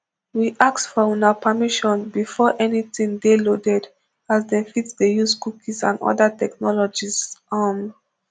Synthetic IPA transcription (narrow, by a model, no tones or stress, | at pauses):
wiʔak̚tfɔunapʰəmiʃɔ̃nbifɔʔɛnitĩŋdelodɛd | azdɛ̃nfitsdejuskukʰisã̰nɔ̰datɛknɔlɔd͡ʒizam